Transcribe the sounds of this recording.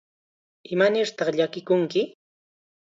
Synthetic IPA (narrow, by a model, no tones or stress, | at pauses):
ɪmanɪɾt̪ɑχʎakɪkʊŋkɪ